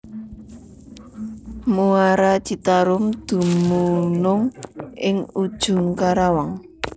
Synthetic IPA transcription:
muaɾḁd̪̥i̤t̪aɾʊmd̪̥ṳmunʊŋɪŋud̥ʒ̥ʊ̤ŋkaɾawaŋ

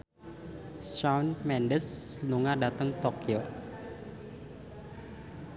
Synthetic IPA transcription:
ʃawnmɛndəsluŋadat̪əŋt̪okio

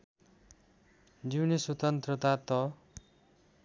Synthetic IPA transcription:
d͡ziwneswʌt̪ʌnt̪rʌt̪at̪ʌ

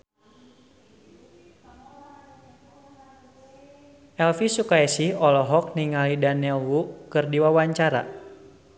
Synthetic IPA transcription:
ʔɛlfisukaisihɔlɔɦɔk̚niŋalidanɛlwukɨrdiwawaɲt͡ʃaɾa̰

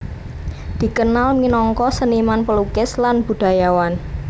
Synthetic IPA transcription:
d̪̥i̤kənalminɔŋkɔsənimanpəlukɪslanb̥ṳd̪̥a̤jawan

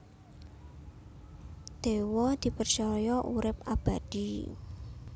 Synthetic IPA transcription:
d̪̥ewɔd̪̥i̤pərt͡ʃɔjɔʔuɾɪp̚ab̥a̤d̪̥i

